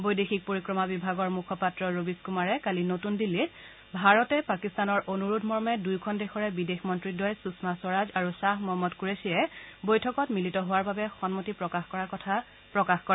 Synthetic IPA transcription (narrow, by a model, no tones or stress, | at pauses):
bojdexʰik̚poɹikɹɔmabibʱaɡɔɹmukʰɔpatɹɔɹobiskumaɹɛkalinotundilːit | bʱaɹɔtɛpakistanɔɹʔonuɹudʰʱmɔɹmɛdujkʰɔndexɔɹɛbidexmɔntɹidɔjsusmasɔɹad͡ʒaɹusaɦmɔmɔtkuɹesijɛbojtʰɔkɔtmilitɔɦʊwaɹbabɛxɔnmotipɹɔkaxkɔɹaɹkɔtʰa | pɹɔkaxkɔɹɛ